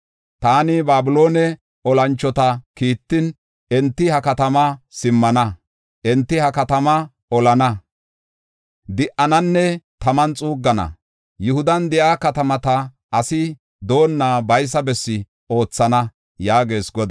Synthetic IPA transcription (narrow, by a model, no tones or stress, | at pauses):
t̪aːnɪbaːbʊlo̞ːnɛ | ɔlɐnt͡ʃːɔt̪ɐkiːt̪ːɪn | ɛnt̪ːɪhɐkɐt̪ɐmɐsɪmːɐnɐ | ʔɛnt̪ːɪhɐkɐt̪ɐmɐ | ɔlɐnɐ | d̪ɪʔɐnɐnːɛt̪ɐmɐnt͡sʼuːɡːɐnɐ̰ | jʊhʊd̪ɐnd̪ɛʔaːkɐt̪ɐmɐt̪ɐ | ʔɐsɪ | d̪o̞ːnːaːbɐjs̬ɐbɛsːɪ | o̞ːt͡sːɐnɐ | jaːɡe̞ːsɡɔd̪